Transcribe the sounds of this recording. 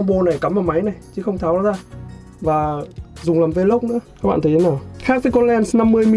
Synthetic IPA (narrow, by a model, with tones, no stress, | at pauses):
ŋ͡mɓo˧na˨˩jkə˨˦mʔaː˨˩ma˨˦jna˨˩jt͡ɕɨ˨˦xə˧wŋ͡mt̪ʰaː˨˦wzaː˧ | vaː˨˩zʊ˨˩ŋ͡mlaː˨˩mve˧lə˦˥k͡p̚nɨ̰˧˥ə˧˦ɓa̰ː˧˨t̪ʰə˨˦˨nɔː˧˩xaː˦˥t̪i˨˦kɔ˧lɛ˧nsna˧mːɨ˧əjm˧